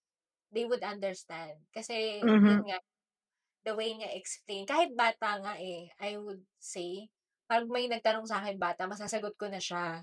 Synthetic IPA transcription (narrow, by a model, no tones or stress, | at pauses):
d̪ejwʊd̪ɐ̃nd̪ɛɹst̪ãnd̪̚kɐsɛjʊnŋa | d̪ɐwejŋɐʔɛksplejnkaːhɪt̪̚baːt̪ɐŋaʔɛʔajwʊd̪̚sej | paːɾɐɡ̚mɐjnɐɡ̚t̪ɐnoŋsɐaːkɪnbaːt̪ɐmɐsaːsɐɡot̪̚konɐʃa